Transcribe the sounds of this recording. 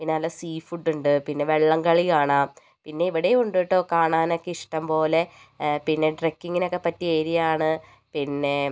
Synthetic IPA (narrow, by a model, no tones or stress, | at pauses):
inːaɐlasiːfuɖːuɳɖɨpinːe̞ʋeɭːɐŋkɐɭikaːɳaːm | pinːe̞iʋiɽejuɳɖuʋiʈːoːkːaːɳaːnokːeiʂʈɐmpo̞ːle̞ | pinːe̞ɖrekːiŋːino̞kːepɐtːieːɾijaːɳɨ | pinːe̞